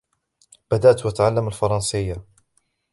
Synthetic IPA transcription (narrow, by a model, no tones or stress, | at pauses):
b̥ad̪aʔt̪wat̪aʕalːamalfɑɾˤɑnsɪjːa